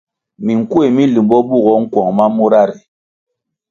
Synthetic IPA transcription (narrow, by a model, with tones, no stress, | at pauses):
mi˨ŋ̩˨ku˦e˨mi˦li˨mbɔ˦bu˦˨ɣɔ˨˦ŋ̩˦kwɔ˨ŋma˦mu˦ɾa˦˨ɾi˨